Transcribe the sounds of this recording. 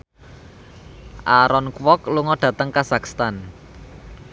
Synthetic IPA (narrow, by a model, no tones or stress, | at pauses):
ʔaɾɔnkwɔkluŋɔɖ̥ä̤t̪əŋkasakst̪an